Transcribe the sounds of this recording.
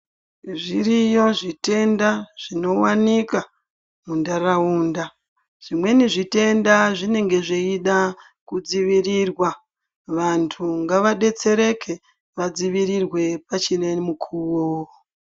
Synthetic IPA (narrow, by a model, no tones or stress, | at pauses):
ʐirijo̞ʐite̞ndaʐ̥ino̞wanika | mundarauːnda | ʐ̥imwe̞niʐite̞ndaʐine̞ŋɡe̞ʐeiɗa | kud͡ziʋirirwa | ʋantʰuŋɡaʋaɗe̞t͡se̞ɾe̞kʰe̞ | ʋad͡ziʋirirwe̞pat͡ʃinemukʰuwo